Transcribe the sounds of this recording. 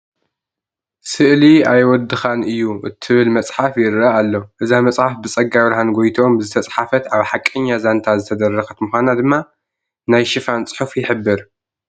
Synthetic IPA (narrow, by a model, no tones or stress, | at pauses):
sɨʔliajwɔd̪ːɨxanʔɨjːuʔɨt̪ʰːɨβɨlmɐt͡sʼħafjɪɾaalːoʔɨzamɐt͡sʼħafbɨt͡sʼɐɡaβɾahanɡojt̪ʰo̞mzɨt̪ʰɐt͡sʼħafɐt̪ʔaβħakʼɨɲːazant̪ʰazɨt̪ʰɐd̪ɐrːɐxɐt̪muxʷanad̪ɨmːa | najʃɨfant͡sʼɨ̥ħufjɪħɨbːɨɾ